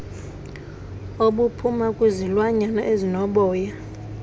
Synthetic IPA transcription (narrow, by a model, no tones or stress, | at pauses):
oɓupʰumakʼuzilwaɲanɔ̰ʔezinɔɓɔːja